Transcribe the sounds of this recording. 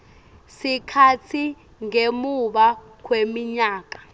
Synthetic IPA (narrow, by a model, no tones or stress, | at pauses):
sikʰatʰi | ŋemuɓa | k̬ʰwemiɲaːk̬ḁ